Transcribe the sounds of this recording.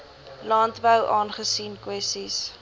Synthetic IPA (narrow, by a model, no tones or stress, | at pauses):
lɑːntbəwʔɑːnχəsiːnkwɛstis